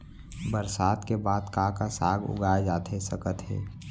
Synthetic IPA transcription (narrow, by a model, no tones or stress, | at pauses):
bəɾsaːd̪kebaːd̪kãkasaːɡʊ̰ɡaːjad͡ʒaːt̪ʰesəkət̪ɦɛ̰ː